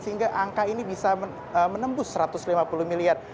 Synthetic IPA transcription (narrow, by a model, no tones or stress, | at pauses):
səɦiŋɡaʔaŋkainibisa | əmənəmbʊsəɾat̪ʊslimapulumiliar̚